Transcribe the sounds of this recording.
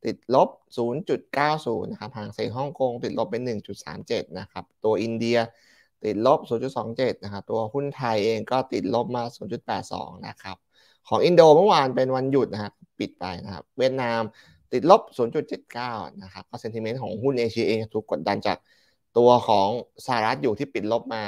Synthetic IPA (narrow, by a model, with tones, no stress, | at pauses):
t̪i˨˩t̪̚lo˦˥p̚suː˩˦nt͡ɕu˨˩t̪̚kaː˥˩wsuː˩˦nːa˦˥kʰa˦˥p̚haː˩˦ŋseː˨˩˦ɦɔ˥˩ŋko˧ŋt̪i˨˩t̪̚lo˦˥p̚ːe˧nːɯ˨˩ŋt͡ɕu˨˩t̪̚sa̰ː˩˦mt͡ɕe˨˩t̪̚na˦˥kʰa˦˥p̚t̪u˧ɐʔi˧ndi˧ɐ | t̪i˨˩t̪̚lo˦˥p̚suː˨˩˦nt͡ɕu˨˩sɔː˩˦ŋt͡ɕe˨˩t̪̚na˦˥kʰa˦˥p̚t̪u˧ɐhu˥˩nt̪ʰa˧jʔeː˧ŋkɔː˥˩t̪i˨˩t̪̚lo˦˥p̚maː˧suː˩˦nt͡ɕu˨˩t̪̚pɛː˨˩t̪̚sɔ̰ː˩˦ŋna̰˦˥kʰa˦˥p̚ | kʰɔː˩˦ŋʔi˧ndoː˧mɤ˥˩waː˧npe˧nwa˧nju˨˩t̪̚na˦˥kʰa˥˩pi˨˩t̪̚pa̰˧jna˦˥kʰa̰˦˥p̚wi˥˩ət̪̚naː˧m | t̪i˨˩t̪̚lo˦˥˩p̚suː˩˦nt͡ɕu˨˩t̪̚t͡ɕe˨˩t̪̚kaː˥˩wna˦˥kʰa˦˥p̚kɔː˥˩se˧nt̪ʰi˧me˦˥n̚kʰɔː˩˦ŋhu˥˩nʔeː˧t͡ɕʰi˧ʔeː˧ŋt͡ɕa˨˩t̪ʰu˨˩kːo˨˩t̪̚da˧nt͡ɕa̰ː˨˩k̚ | t̪u˧ɐkʰɔː˩˦ŋsaː˧˨a˨˩ɾa˦˥t̪̚juː˨˩t̪ʰiː˥˩pi˨˩t̪̚lo˦˥p̚maː˧